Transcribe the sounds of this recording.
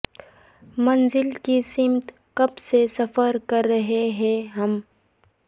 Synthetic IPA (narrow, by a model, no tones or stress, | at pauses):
mɐnzɪlkisɪmt̪ | kɐbsesɐfəɾkɐɾːɐɦeɦɛ̃ɦɐm